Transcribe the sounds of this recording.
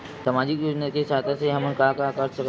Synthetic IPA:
samaːd͡ʒikjod͡ʒnəkesat̪ʰaseɦəmənkakakəɾsək

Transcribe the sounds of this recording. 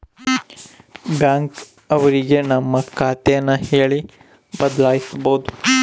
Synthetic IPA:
bjaːŋk | ɐʋɐɾiɡe̞nɐmːɐkʰaːt̪ejɐnːɐheːɭi | bɐd̪laːjisbɐɦud̪u

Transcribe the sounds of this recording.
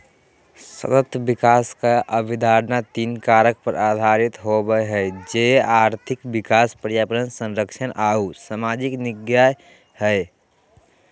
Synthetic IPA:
sə̰t̪ət̪ːbikaːskaʔəbid̪ʱaɾnat̪inkaɾək̚pəɾʔaːd̪ʱaɾit̪ɦobəjɦɛed͡ʒeaːɾt̪ʰɪkbikaːspəɾjaːpɾənsə̃nɾəkʃʰənʔausamad͡ʒiknɪɡjaj | həe

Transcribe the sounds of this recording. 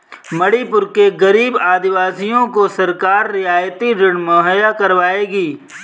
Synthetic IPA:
mɐɽipʊɾkeɣɐɾiːbaːd̪ɪʋaːsijõkosɐɾkaːɾːɪaːjt̪iɾɪɽmɔɦjakɐɾʋaːeːɡiː

